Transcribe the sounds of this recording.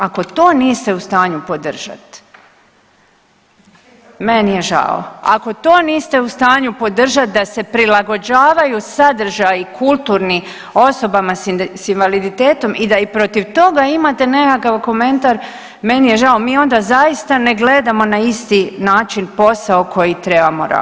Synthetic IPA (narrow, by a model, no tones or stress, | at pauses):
ako̞t̪o̞ːniːst̪e̞ust̪aːɲupo̞d̪r̩ʒa̰t̪ | menije̞ʒa̰o̰a̰ko̞t̪o̞ːniːst̪e̞ust̪aːɲupo̞d̪r̩ʒat̪̚d̪ase̞pɾilˠaɡo̞d͡ʑaːʋajusad̪r̩ʒajikʰulˠt̪uːɾni | o̞so̞bamassinʋalid̪it̪eːt̪o̞mid̪aipɾo̞t̪iʋt̪o̞ɡaimat̪e̞ne̞kakaʋko̞me̞nt̪aɾ | me̞nije̞ʒaomiːo̞nd̪azajist̪ane̞ɡle̞d̪amo̞naist̪inaːt͡ʃinpo̞saokʰo̞jit̪ɾe̞bamoɾa̰